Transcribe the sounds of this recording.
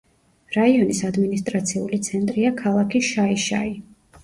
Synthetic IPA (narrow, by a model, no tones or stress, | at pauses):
ɾaiɔnisad̪minist̪ʼɾat̪sʰiulit̪sʰɛnt̪ʼɾiakʰalˠakʰiʃaiʃa̰i